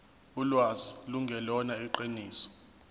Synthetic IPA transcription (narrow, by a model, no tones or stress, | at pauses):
ulwaziluŋɡʱɛlɔnaiǃiniːsɔ̥